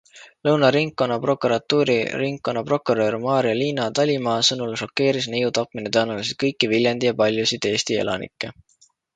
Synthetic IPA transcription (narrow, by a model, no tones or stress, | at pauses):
lɤwnɑɾiŋkːo̞nːɑpro̞kuɾɑt̪ːuːɾḭriŋkːo̞nːɑpro̞kːˑuɾø̞ːrmɑːɾiɑliːnɑt̪ɑlʲimɑːsɤnulʃo̞kːe̞ːɾisnejut̪ɑpminet̪ɑːnulisit̪̚kɤjkˑːivilʲjɑnd̪ijɑpɑlʲjusid̪̥e̞ːst̪ie̞̰lɑ̰nḭkːˑe̞